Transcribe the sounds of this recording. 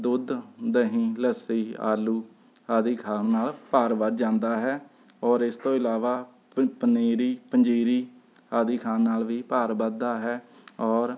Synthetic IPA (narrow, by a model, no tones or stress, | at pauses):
d̪ʊd̪d̪ɦĩːləsiːa̰ːluː | haːd̪iːkʰaːnaːlpaːɾbəd̪d͡ʒãːnd̪aːɦɛː | ɔːɾɪst̪õːɪlaːʋaː | pəneːɾiːpəɲd͡ʒiːɾiː | haːd̪iːkʰaːnːaːlʋiːpaːɾbəd̪aːɦɛː | ɔːɾ